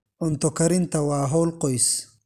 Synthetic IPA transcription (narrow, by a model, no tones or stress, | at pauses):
ʊnt̪okaɾint̪awaːɦowlqojs